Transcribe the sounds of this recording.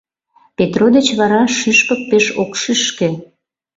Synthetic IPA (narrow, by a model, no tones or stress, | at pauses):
pet̪rod̪et͡ɕβɑɾɑʃyʃpə̆k̚peʃokʃyʃkĕ